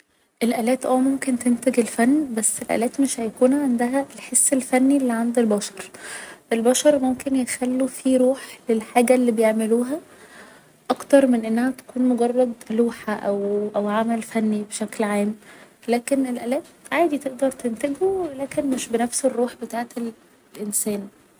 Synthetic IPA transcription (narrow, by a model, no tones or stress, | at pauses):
ʔelʔælæːt̪ʔæːmomkent̪ent̪eɡelfænːbæsːelʔæ̰læːt̪meʃhæjækuːnʕand̪æɦæʔelħesːelfænːilːiʕand̪ilbɑʃɑɾˤʔelbɑʃɑɾˤmomkenjexælːufiɾuːħlelħaːɡælːiːbejeʕmeluːɦæ | ʔɑkt̪ɑɾˤmenʔenːæhæt̪æ̥kuːnmoɡɑrˤːɑd̪luːħaʔæwʔæwʕamælfænːibeʃæklʕaːmlæːkenelʔælæːt̪ʕaːd̪it̪eʔd̪ɑɾˤt̪ent̪eɡuwlæːkenmeʃbenæfserːuːħbet̪aːʕet̪el | lʔensæːn